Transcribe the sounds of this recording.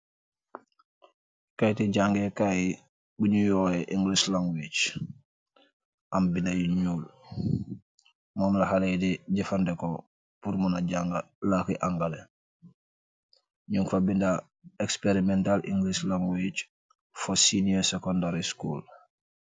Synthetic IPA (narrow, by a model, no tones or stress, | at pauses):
kajtiɟaŋɡekaji | buɲujoːeʔiŋɡlislaŋɡwit͡ʃ | ʔambinajuɲuːl | mɔːmlaɦalejdiɟifandɛko | puɾmunaɟaŋɡa | lakiʔaŋɡale | ɲuŋfabinda | ekspeɾimɛntalʔḭŋɡlislaŋɡwit͡ʃ | fosiniosekondaɾiskṵːl